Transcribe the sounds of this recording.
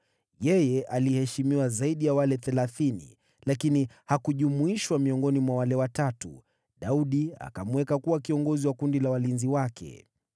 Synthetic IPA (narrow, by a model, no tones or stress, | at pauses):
jɛjɛʔalihɛʃimiwazaiɗijawalɛθɛlaθinḭ | lakini | hakuʄumuiʃwamiɔŋɡɔnimwawalɛwatatṵ | ɗauɗia̰kamuwɛkakuwakiɔŋɡɔziwakundilawalinziwakʰɛ̰